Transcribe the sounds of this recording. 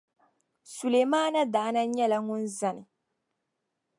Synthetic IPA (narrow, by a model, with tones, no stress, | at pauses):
su˨le˨maː˦na˦daː˨˦na˦ɲɛ˦la˨˦ŋʊ˦nza˨nɪ˨